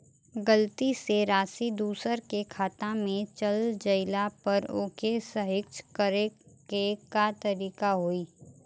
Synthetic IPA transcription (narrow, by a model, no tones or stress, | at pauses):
ɡəlt̪iseɾaːsid̪uːsəɾkekʰaːt̪ãmẽt͡ʃəld͡ʒɐɪlapɐɾo̰ːkesəɦɪkʃkəɾe | ekat̪əɾiːkaɦoiː